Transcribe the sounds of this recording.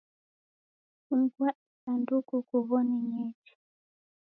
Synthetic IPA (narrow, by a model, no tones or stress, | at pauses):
uŋ̩ɡwaisandukukuβɔniɲɛt͡ʃu̥